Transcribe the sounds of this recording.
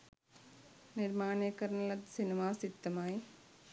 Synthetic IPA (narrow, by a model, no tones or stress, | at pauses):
niɾmaːɳjɐkːɐɾɐnɐlɐt̪sinimaːsit̪ːɐmaːji